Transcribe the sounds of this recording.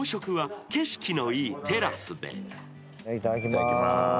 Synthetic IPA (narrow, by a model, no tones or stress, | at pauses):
ɕo̞kɯ̟βake̞ɕi̥kʲino̞iːt̪e̞ɾasɨd̪e̞̰ | it̪aakʲema